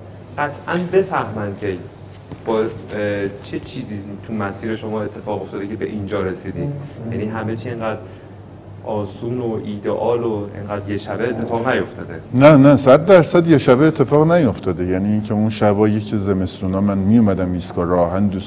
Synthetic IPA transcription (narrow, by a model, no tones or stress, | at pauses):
ɢæt̪ʰʔænbe̞fæhmænd̪̚cʲʰe | b̥ɒː | t͡ʃʰet͡ʃʰiːziːt̪ʰumæsiːɾeʃo̞mɒːe̞t̪ʰːe̞fɒːɣo̞ft̪ɒːd̪ecʰe̞be̞̰ʔind͡ʒɒːɾesiːd̪iːd̪jæniːɦæmet͡ʃʰieŋɡæːd̪ɾ | ʔɒːsuːnoʔiːd̪eʔɒːloḛŋɡæːd̪ɾjeʃæbeːt̪ʰːe̞fɒːɣnæjo̞ft̪ʰɒ̰ːd̪enænæsæd̪̚ːæɾsæd̪jeʃæbeːt̪ʰːe̞fɒːɣnæjo̞ft̪ʰɒːd̪ejæniːncʰeunʃæbɒːjecʰizeme̞st̪uːnɒːmænmijumæd̪æmiːskɒːɾɒɦænd̪uːs